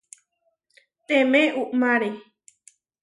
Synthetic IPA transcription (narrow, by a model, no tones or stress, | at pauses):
t̪ẽmẽʔuʔmãɾe